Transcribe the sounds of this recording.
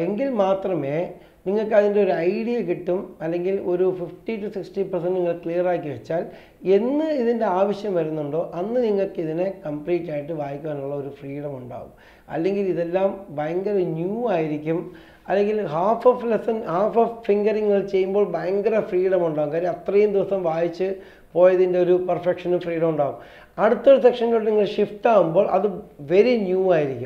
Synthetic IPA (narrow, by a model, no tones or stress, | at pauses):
eŋɡilmaːt̪rɐme̞ː | niŋːɐɭkːɨɐðindeo̞ɾuɐjɽijɐkiʈːumɐlːe̞ŋɡilo̞ɾufifʈiʈːusiksʈipɐrsɐnɖniŋːɐɭkɭijɐraːkʲːiʋet͡ɕːaːl | e̞nːɨiðinde̞aːʋɐɕjɐmʋɐɾunːuɳɖoːʔɐnːɨniŋːɐɭkːɨiðinekɐmpliːʈːaːjiʈːɨʋaːjikʲːuaːnuɭːɐo̞ɾufriːɽɐmuɳɖa̰ːɣṵm | ɐ̰lːe̞ŋɡiliðelːaːmbajɐŋɡɐɾɐnjuːaːjiɾikʲːum | ɐlːe̞ŋɡilɦaːfoflesɐnhaːfoːffiŋɡɐriŋːɐɭt͡ɕe̞jːumbo̞ːɭbajɐŋɡɐɾɐfriːɽɐmuɳɖaːɣumkaːɾiɐt̪rɐjumd̪iʋɐsɐmʋaːjit͡ɕːɨ | po̞ːjɐiðinde̞o̞ɾupɐrfekʂɐnumfriːɽɐmuɳɖaːɣum | ɐɽut̪ːoɾusekʂɐnɡɐʈːniŋːɐɭʂift̪aːɣumboːɭʔɐ̰ðɨʋe̞ɾinjuːaːjiɾikʲːum